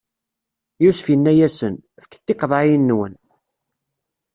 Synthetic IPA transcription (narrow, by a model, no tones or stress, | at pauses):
jusfjənːæjæsən | fkːə̥t̪ːɪqðˤɑinːwə̰n